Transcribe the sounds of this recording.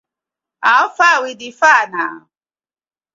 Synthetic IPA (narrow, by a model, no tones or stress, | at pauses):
aɔfawidifana